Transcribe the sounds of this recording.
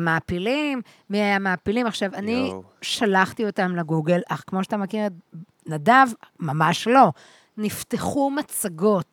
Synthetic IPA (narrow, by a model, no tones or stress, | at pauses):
maːpilimːiajamaːpilimaχʃavani | ʃalaχtio̞tamleɡuɡelʔaχkmoʃatamakiʁet | nadavmamaʃlo̞ | nifteχumat͡saɡo̞t